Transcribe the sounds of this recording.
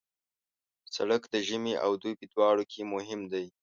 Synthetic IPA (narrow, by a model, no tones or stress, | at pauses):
sa̰ɽəkd̪əʒəmeʔa̰wd̪ujpəd̪wɑɽokʰemʊɦɪmd̪aj